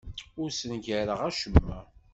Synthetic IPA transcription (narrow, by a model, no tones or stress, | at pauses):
ʊɾsənʝæɾəʁæʃəmːæ